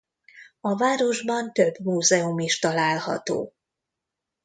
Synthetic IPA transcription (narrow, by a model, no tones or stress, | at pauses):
ɒvaːɾo̞ʒbɒnt̪ø̞bmuːzɛumiʃt̪ɒlaːlhɒ̰t̪o̰ː